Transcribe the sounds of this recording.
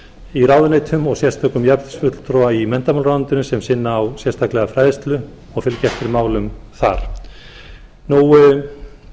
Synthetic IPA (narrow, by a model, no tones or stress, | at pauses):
iɾaːwðʏnejt̪hʏmɔɣsjɛr̥st̪ʰakʏmjapðɪ̥sfʏt̪l̥t̪ʰɾɔaimɛnt̪amawlɾawnt̪ɪnʏsɛmsɪnːaːwsjɛr̥st̪ʰaklɛɣafɾaːjðɪst̪lʏ | ɔɣfɪlcɛht̪ɪɾmaːwlʏmθaɾ̥ | nuw